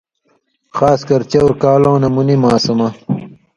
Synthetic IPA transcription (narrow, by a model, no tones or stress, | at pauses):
xaːskɐɾt͡ɕɐwɾkaːlõːnɐmunimaːsɐmɐ